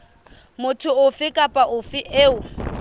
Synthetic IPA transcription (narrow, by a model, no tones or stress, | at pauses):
mʊtʰʊʊfɪkʼapʼaʔʊfɪʔeːʊ